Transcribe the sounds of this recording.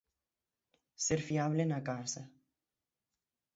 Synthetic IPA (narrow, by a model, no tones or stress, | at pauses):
seɾfiaβlenakasa